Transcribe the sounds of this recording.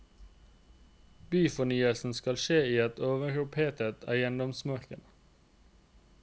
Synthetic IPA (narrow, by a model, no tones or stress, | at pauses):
b̥yːfɔnyːəlsn̩skɑlʃeːiːɛt̪ʰoːʋəʁʊpʰeːt̪ət̪ʰæ̰jɛnd̪ɔmsmɑʁkən